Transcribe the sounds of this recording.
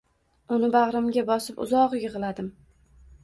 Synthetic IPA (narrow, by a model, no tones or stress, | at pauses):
ʊnɪbaʁɾɪmɡʲabɒsɪpʊ̰zɒʁɨjɨʁɨlad̪ɪm